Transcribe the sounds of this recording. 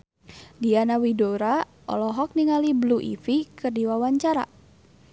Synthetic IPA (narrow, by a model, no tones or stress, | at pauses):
dianawidoɾa | ɔ̰lɔɦɔk̚niŋalibluʔḭfikɨrdiwawaɲt͡ʃaɾa̰